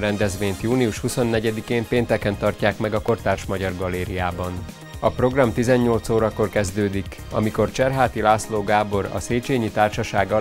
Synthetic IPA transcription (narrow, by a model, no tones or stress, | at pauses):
ɾɛnd̪ɛzʋeːɲt̪juːniuʃhuso̞nːɛɟɛd̪ikeːmpeːnt̪ɛkɛnt̪ɒrcaːkmɛɡɒko̞rt̪aːrʃmɒɟɒrɡɒlːeːɾijaːbɒn | ɒpro̞ɡrɒmt̪izɛɲɲo̞lt̪soːɾɒko̞rkɛzd̪øːd̪ik | ɒ̰miko̞rt͡ʃɛrɦaːt̪ilaːsloːɡaːbo̞ɾɒ̰seːt͡ʃeːɲit̪aːrʃɒʃaːɡɒ